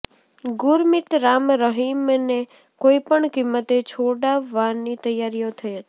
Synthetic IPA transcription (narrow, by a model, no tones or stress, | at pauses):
ɡʊɾmɪt̪ɾamɾəɦimne | koipəɳkimːət̪et͡ʃʰoɽaʋanit̪əjaɾijot̪ʰəjɦət̪i